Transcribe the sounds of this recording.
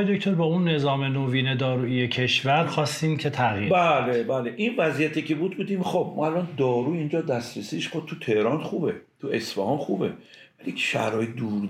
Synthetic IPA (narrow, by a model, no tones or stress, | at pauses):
jd̪ocʰt̪ʰo̞ɾbɒːunːe̞zɒːme̞noːviːne̞d̪ɒːɾuːije̞cʰe̞ʃvæɾxɒːst̪iːmcʲʰe̞t̪ʰæɣiːbælebæːleʔinvæzijæt̪ʰicʰebuːd̪̚buːd̪iːmxob̚mɒ̰ælʔɒnd̪ɒːɾuːind͡ʒɒːd̪æst̪ɾesiːʃxob̚t̪ʰut̪ʰehɾɒnχuːbet̪ʰuesfæhɒnxuːbḛ̥ | æli̥ʃæ̰hɾɒːjed̪uːɾ